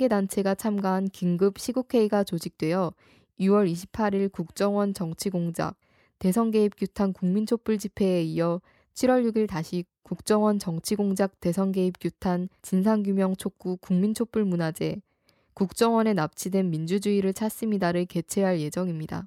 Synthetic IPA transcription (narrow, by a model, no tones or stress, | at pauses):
aŋɡe̞dant͡ɕʰe̞ɡat͡ɕʰamɡaɦankiŋɡɯp̚ɕʰiɡukʰe̞iɡat͡ɕod͡ʑik̚t͈we̞jʌ | iwʌɾiɕʰi̥pʰaɾiɭkuk̚t͡ɕ͈ʌŋwʌnt͡ɕʌŋt͡ɕʰiɡoŋd͡ʑa̰k̚ | te̞sʰʌŋɡe̞ip̚k͈jutʰankuŋmint͡ɕʰop͈uɭd͡ʑipʰe̞ːijʌ | t͡ɕʰiɾwʌɭjuɡiɭtaɕʰi | kuk̚t͡ɕ͈ʌŋwʌnt͡ɕʌŋt͡ɕʰiɡoŋd͡ʑak̚t͈e̞sʰʌŋɡe̞ip̚k͈jutʰant͡ɕinsʰaŋɡjumjʌŋt͡ɕʰok̚k͈ukuŋmint͡ɕʰop͈uɭmunad͡ʑe̞ | kuk̚t͡ɕ͈ʌŋwʌne̞nap̚t͡ɕʰidwe̞nmind͡ʑud͡ʑuiɾɯɭt͡ɕʰas͈ɯmidaɾɯɭke̞t͡ɕʰeɦaɭje̞d͡ʑʌŋimɲida̰